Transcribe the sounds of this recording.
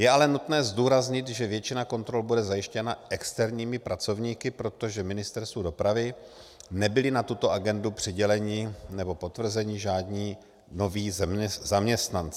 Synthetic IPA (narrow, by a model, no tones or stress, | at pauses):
jɛalɛnut̪nɛːzduːɾazɲɪt̪ʒɛvjɛt͡ʃɪnako̞nt̪ɾo̞lbudɛzajɪʃcɛnaʔɛkst̪ɛɾɲiːmɪpɾat͡so̞vɲiːkɪpɾo̞t̪o̞ʒɛmɪnɪst̪ɛɾst̪vudo̞pɾavɪ | nɛbɪlɪnat̪ut̪o̞ʔaɡɛndupr̥ɪɟɛlɛɲɪnɛbo̞po̞t̪vr̩zɛɲɪʒaːdɲiː | no̞viːzzamɲɛst̪nant͡s